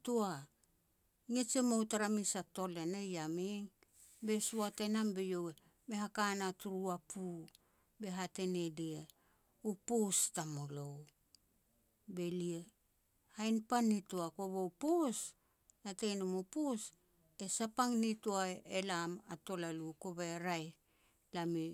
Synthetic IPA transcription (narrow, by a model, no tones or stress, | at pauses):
tua | ŋit͡ʃemowtaɾamisato̞le̞nejamiŋ | be̞suate̞nambe̞jo̞we | me̞hakanatuɾuapʰu | be̞ɦate̞ne̞die | upustamolo̞w | be̞lie | hajnpanituako̞βowpus | nate̞jnumopus | e̞sapaŋnituaelamato̞laluko̞baeɾaj | lami